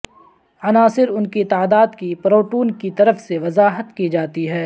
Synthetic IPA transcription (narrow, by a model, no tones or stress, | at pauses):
ɐnaːsɪɾʊnkit̪aːd̪aːd̪kipɾoːʈuːnkit̪ɐɾəfseʋɐzaːɦət̪kid͡ʒaːt̪iɦɛː